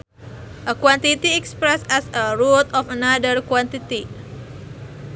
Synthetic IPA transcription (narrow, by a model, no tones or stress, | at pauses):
ʔəkwant̪it̪iɛkspɾɛsɛsəɾut̪ɔfənadərkwant̪it̪i